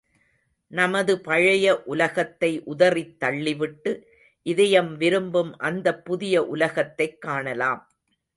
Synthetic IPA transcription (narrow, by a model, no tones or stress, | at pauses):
nɐmɐðɯpɐɻɐjɐʔʊlɐɣɐt̪ːɐɪʔʊðɐrit̪ːɐɭːɪʋɪʈːɯ | ʔɪðɐjɐmʋɪɾɯmbɯmʔɐnd̪ɐpːʊðɪjɐʔʊlɐɣɐt̪ːɐɪkːaːɳɐlaːm